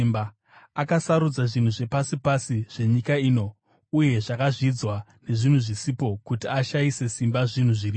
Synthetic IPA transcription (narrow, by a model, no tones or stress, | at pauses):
mba | akasaɾud͡zaʐin̤uʐe̞pasipasiʐ̥e̞ɲikaiːno̞ | uje̞ʐakaʐid͡zwa | ne̞ʐin̤uʐisipo̞kutiaʃaise̞simbaʐin̤uʐiri